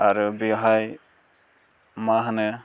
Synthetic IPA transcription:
aɾubiɦaj | maɦanɯ

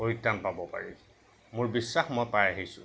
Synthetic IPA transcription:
oik̚danpabɔpa̰ɹi | mʊɹbisːaxmɔjpajaɦisʊ̰̃

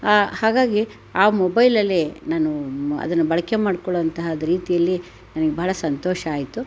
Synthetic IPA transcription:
haːɡaːɡi | aːmɔbɐjlɐlːenaːnuɐ̰d̪ɐnːubɐɭɐkemaːɽkɔɭʋɐnt̪ɐɦɐd̪ɾiːt̪ijɐlːi | nɐnɐɡebʱɐɦɭɐsɐnt̪oːʃɐaːjit̪u

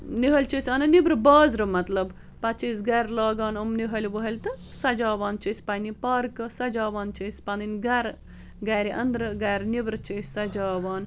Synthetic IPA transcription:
niɦɐlʲt͡ʃisʲɐnɐnibɾɨbaːzɾɨmɐt̪lɐb | pɐt͡ʃiːsɡaɾlaːɡaːnɐmniɦɐlʲʋəɦɐlʲt̪ɨ | sɐd͡ʒaːʋaːnt͡ʃisʲpɐnipɐɾkɨsɐd͡ʒaːʋaːnt͡ʃesʲpɐninɡɐɾ | ɡaːɾiʔɐ̰nd̪ɾɨɡajɾnibɾɨt͡ʃʰesʲsɐd͡ʒaːʋaːn

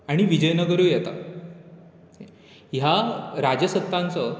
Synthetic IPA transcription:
aɽ̃iʋid͡ʑəjnəɡəɾuːjɛt̪a̰ | jaɾad͡ʑəsət̪ːãnt͡sə

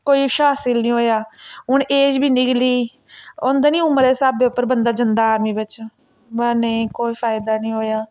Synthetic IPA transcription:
koːiːʃaːsɪlnĩːɦoːjaːɦʊɳeːd͡ʒbʱiːnɪkliː | oːnd̪anĩːʊməɾeːsaːbd̪eːʊpːəɾbənd̪aːd͡ʒɪnd̪aːɾmiːbɪt͡ʃ | bənəĩkoːiːfʰaːɪd̪aːnĩːɦoːjaː

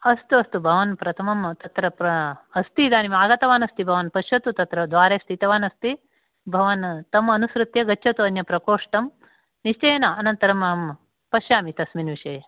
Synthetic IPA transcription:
ɐst̪uɐst̪ubʱɐʋɐnpɾɐt̪ʰɐmɐmt̪ɐt̪ɾɐpɾɐɐst̪id̪aːnimaːɡɐt̪ɐʋaːnɐst̪ibʱɐʋɐnpɐʃjɐt̪ut̪ɐt̪ɾɐd̪ʋaːɾeːst̪it̪ɐʋaːnɐst̪i | bʱɐʋɐnt̪ɐmɐnusɾut̪jɐɡɐtːʃʰɐt̪uɐnjɐpɾɐkoːʂʈɐm | niʂt͡ʃɐjnɐɐnɐnt̪ɐɾɐmɐm | pɐʃjaːmit̪ɐsminʋiʂɐj

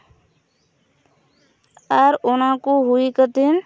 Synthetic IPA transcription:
əɾonãkoɦuikət̪in

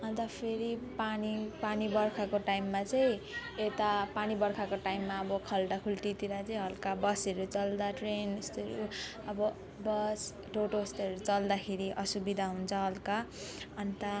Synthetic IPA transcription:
ʌnt̪ʌpʰeɾipanipanibʌrkʰakoʈaimːat͡sʌj̃et̪apanibʌɾkʰakoʈajimːaʌbʌkʰʌlʈakʰulʈ̪it̪iɾat͡sʌĩɦʌlkabʌseɾut͡sʌld̪aʈrenst̪eɾuʌbʌ | bʌs | ʈoʈost̪eʌɾut͡sʌld̪akʰeɾiʔʌsubid̪ʱaɦunt͡sʰʌɦʌlkaʌnt̪a

